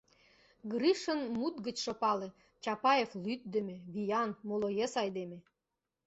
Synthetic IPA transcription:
ɡɾiʃə̆nmut̪ɡə̆t͡ɕʃŏpɑlĕ | t͡ɕɑpɑjeflyt̪̚d̪ĕmĕβijɑnmolojesɑjd̪eme

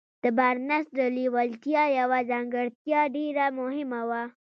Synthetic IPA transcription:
d̪̥əbaɾnasɖəliwalt̪jɑjawazɑŋɡəɽt̪jɑɖeɾamʊhɪmawa

